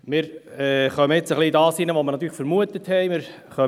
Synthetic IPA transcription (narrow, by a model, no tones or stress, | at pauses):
mɪɾɛːχœməɪt͡səχlidɑːsinəʋoməɾnɑt̪ːyːlːfəɾmuət̪əthɛɪmɪɾ | χœ